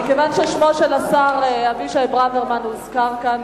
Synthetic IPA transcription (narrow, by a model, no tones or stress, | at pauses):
ikevanʃeʃmo̞ʃelasaʁehaviʃaebʁaveʁmanuizkaʁkan